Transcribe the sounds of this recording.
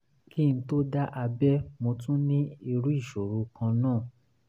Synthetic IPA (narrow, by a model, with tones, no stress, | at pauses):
ki˦˨ñ̩˧˦to˦da˦ʔa˧bɛ˦mo˧tũ˦nĩ˦i˧ɾu˦i˦˨ʃo˨ɾu˧kã˧nãː˦˨